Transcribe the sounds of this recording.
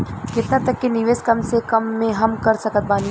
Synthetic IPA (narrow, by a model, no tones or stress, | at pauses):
kɪt̪nat̪ɐkːenɪʋeːskɐmsekɐmːẽɦɐmkɐɾsɐkət̪̚baːni